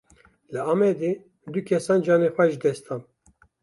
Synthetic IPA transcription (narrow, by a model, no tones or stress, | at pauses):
lɨɑːmɛd̪e | d̪ukʰɛsɑːnd͡ʒɑːnexʷwɛʒɨd̪ɛst̪ʰɑːn